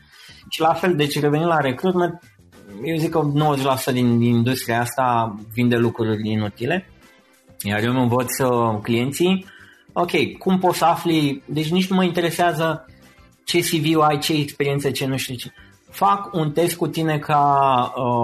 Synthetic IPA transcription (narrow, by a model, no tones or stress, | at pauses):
ʃilafe̞ld̪e̞t͡ʃʲre̞ve̞nimlaɾe̞kɾut̪ment̪̚ | jewzikːəno̞wəzeʃʲlasu̥t̪əd̪iniind̪ust̪ɾiaast̪avind̪e̞lukɾurʲinut̪ile̞ | jarjomɨnvot̪sʲəklije̞nt̪sij | o̞kʲe̞jkumpot̪səaflid̪e̞t͡ʃʲnit͡ʃʲnuməint̪eɾe̞seazə | t͡ʃe̞siviuajt͡ʃe̞ːkspeɾie̞nt̪sət͡ʃe̞nuʃt̪it͡ʃe̥ | fakunt̪e̞st̪̚kut̪ine̞kʰaə